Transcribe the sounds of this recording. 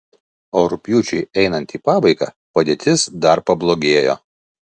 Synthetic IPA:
oːɾʊpʲjuːt͡ʃʲɛɪɛɪnɐnt̪iːpɑːbɐɪɡɑ̰ː | pɐd̪ʲeːt̪ʲɪsd̪ɐɾpɐblˠoːɡʲeːjo̰ː

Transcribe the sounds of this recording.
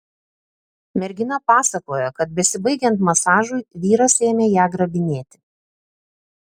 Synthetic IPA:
mʲɛɾʲɡʲɪnɐpɑːsɐkoːjokɐt̪̚bʲɛsʲɪbɐɪɡʲɛnt̪mɐsɑːʒuɪʋʲiːɾɐsʲeːmʲeːjæːɡɾɐbʲɪnʲeːt̪ʲɪ̥

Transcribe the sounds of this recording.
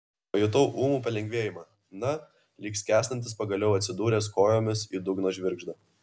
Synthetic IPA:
ojʊt̪oʊʔuːmuːpɐlʲɛŋʲɡʲʋʲeɛjɪmɐ | nɐ | lʲiːksʲkʲæːsʲnʲɐnʲt̪ʲɪspɐɡɐlʲɛʊɐt̪ʲsʲɪd̪uːɾʲeːs̬koːjoːmʲɪsid̪ʊɡnoːʒʲʋʲɪɾɡʒd̪ɐ

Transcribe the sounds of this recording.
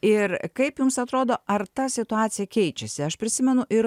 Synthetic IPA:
ɪrkɐɪpjʊmsɐt̪ɾoːd̪oːʔɐrt̪ɐsʲɪt̪ʊɑːt̪sʲɪjɛkʲɛɪt͡ʃʲɛsʲɪɐʃpʲɾʲɪsʲɪmʲɛnʊʔɪɾ

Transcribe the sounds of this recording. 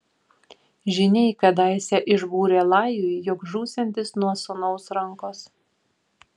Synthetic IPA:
ʒʲɪnʲɛɪkɐd̪aˑɪsʲɛʔɪʒbuːɾʲelˠɑˑɪjʊjjʊkʒuːsʲɛnʲt̪ʲɪsnuɔsɔnɔʊsɾɐŋkoːs

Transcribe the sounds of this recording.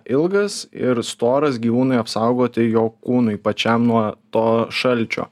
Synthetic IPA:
ʔɪlˠɡɐsɪ̰ɾst̪oːɾɐsɡʲiːʋuːnʊɪɐpsɐʊɡoːt̪ʲɪjoːkuːnʊɪpɐt͡ʃʲɛmnuɔt̪oːʃɐlʲt͡ʃʲo̰ː

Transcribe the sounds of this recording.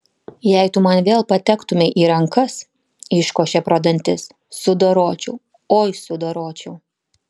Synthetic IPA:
jɛɪt̪ʊmɐnʋʲeːlˠpɐt̪ʲɛkt̪ʊmʲɪʔiːɾɐŋkɐs | ɪʃkoːʃʲɛpɾoːd̪ɐnʲt̪ʲɪsː | ʊd̪oːɾoːt͡ʃʲʊː | oːjsʊd̪oːɾoːt͡ʃʲʊʊ

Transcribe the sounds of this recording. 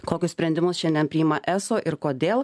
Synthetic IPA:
koːkʲʊssʲpʲɾʲɛnʲd̪ʲɪmʊsʃʲɛnʲd̪ʲɛnpʲɾʲɪːɪmɐʔæːsoːʔɪɾkoːd̪ʲeːlˠ

